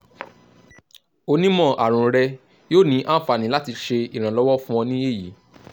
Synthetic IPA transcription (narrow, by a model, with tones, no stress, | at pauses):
o˧nĩ˦mɔ̃˦˨ʔa˨ɾ̃ũ˨ɾɛ˧ | joː˦˨nĩ˨˦ʔã˦fa˨nĩ˨˦la˦ti˧ʃe˧i˨ɾ̃ã˨lɔ˨˦wɔ˦fũ˦ɔ̃˧nĩ˦je˦˨ji˨˦